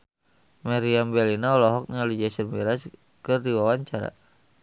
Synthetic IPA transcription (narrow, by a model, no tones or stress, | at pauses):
maɾiambɛlinaɔlɔɦɔk̚nalid͡ʒasənbiɾas | kɨrdiwawaɲt͡ʃaɾa̰